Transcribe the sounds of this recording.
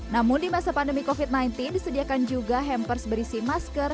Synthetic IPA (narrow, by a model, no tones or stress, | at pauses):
namʊndimasapandəmikofit̪̚najnt̪indisədiakand͡ʒuɡaɦɛmpərsbəɾisimaskər